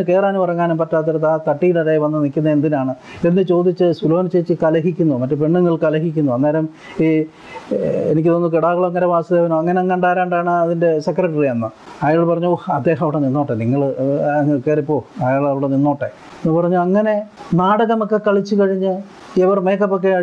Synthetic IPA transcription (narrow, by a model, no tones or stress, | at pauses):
ɨke̞ːraːnupɐrɐɲːaːnumpɐtːaːt̪̬ːɐɾɐt̪ːat̪ɐʈːijilɐɾaːjʋɐnːɐnikʲːunːɐend̪inaːɳɨ | end̪ɨt͡ɕo̞ːd̪it͡ɕːɨsuloːɐnt͡ɕejt͡ɕːɨkɐlɐɦikʲːunːumɐtːepe̞ɳːuŋːɐɭkɐlɐɦikʲːunːuɐnːeːɾɐm | i | ḛnikʲːɨt̪onːɨkiɽaːɣɐɭoŋːɐneʋaːsɐðeːʋɐnoɐŋːɐneɐŋːɐɳɖaːɾaːɳɖaːɳɨɐðinde̞sekrɐʈːɐriɐnːɐɐjaːɭpɐrɐɲːuohɐd̪ːe̞ːɦɐmɐʋiɽeninːoːʈːeniŋːɐɭː | kːeripːo̞ːɐjaːɭɐʋiɽeninːo̞ːʈːe | nːupɐrɐɲːuɐŋːɐne̞naːɽɐɣɐmokːe̞kɐɭit͡ɕːukɐɻiɲːɨ | eʋɐrme̞ːkːɐpːok̬ːeaː